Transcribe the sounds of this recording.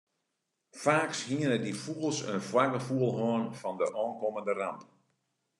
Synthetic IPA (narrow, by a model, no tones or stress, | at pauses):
faːkshiənədifuəlˠsə̰nfwaɡəfuəlˠɦoənfɔndəʔɔːnkoməndəramt